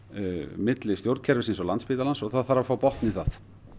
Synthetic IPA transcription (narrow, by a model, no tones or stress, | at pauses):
mɪt̪lɪst̪jowɾt̪̚cʰɛɾvɪsensɔlant̪spɪːt̪alansɔɣθaðθaɾafaːwpɔht̪nɪθaθ